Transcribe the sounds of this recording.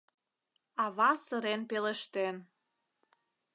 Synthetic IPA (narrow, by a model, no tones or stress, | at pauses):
ɑβɑsəɾenpeleʃt̪en